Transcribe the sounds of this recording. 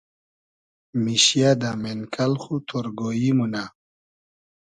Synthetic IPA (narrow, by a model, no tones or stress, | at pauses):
miɕjad̪amenkʰalχut̪ʰoɾɡoimuna